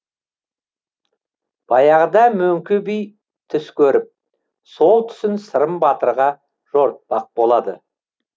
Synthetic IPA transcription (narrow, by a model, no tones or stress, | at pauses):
b̥ɑjɑʁəd̪ɑmɵŋkʲɪbij | t̪ʰʏskʲʰɵɾɪp̚ | so̞lˠt̪ʰʏ̥sɪnsəɾəmbɑt̪əɾʁɑ | ʒ̥o̞ɾt̪̚bɑq̚bo̞lˠɑd̪ə̰